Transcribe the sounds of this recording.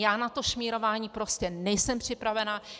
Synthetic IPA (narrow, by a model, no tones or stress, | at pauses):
jaːnat̪o̞ʃmiːɾo̞vaːɲiːpɾo̞scɛnɛjsɛmpr̝̥ɪpɾavɛna